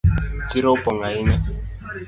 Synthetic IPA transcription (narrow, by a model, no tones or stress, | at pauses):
kiɾopɔŋaina